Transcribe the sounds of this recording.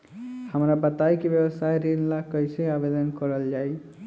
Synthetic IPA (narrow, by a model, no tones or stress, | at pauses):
həmɾabət̪ajkebjebəsajɾinlakəjseabed̪ənkʌɾəld͡ʒaj